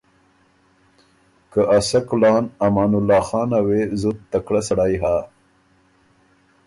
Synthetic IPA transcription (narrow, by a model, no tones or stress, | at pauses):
kəʔasaklɑːnamɑːnʊlːɑːxɑːnawezut̪t̪ːakɽasaɽajɦa